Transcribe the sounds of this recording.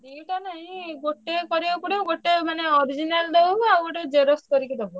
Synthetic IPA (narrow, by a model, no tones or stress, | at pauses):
diʈanaɦĩɡoʈekɔɾikuɽeɡoʈemaneɔɾid͡ʒinald̪ebawɡoʈed͡ʒeɾoskɔɾikid̪ebu